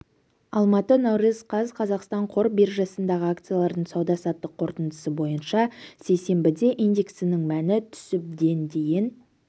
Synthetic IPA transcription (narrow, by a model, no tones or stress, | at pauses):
ɑlˠmɑt̪ənɑwɾəzqʰɑzqʰɑzɑqst̪ɑɴqʰo̞ɾbeɾʒɑsənd̪ɑʁəak̚t̪sɨjalˠɑɾd̪əɴsɑwd̪ɑsɑt̪ːəqʰːo̞ɾt̪ənd̪əsəbo̞jənʃɑse̞jse̞mbɪd̪e̞ʔind̪ʲe̞ksɪnɪŋmænɪt̪ʰʏ̥sɪp̚d̪e̞nd̪e̞jɪn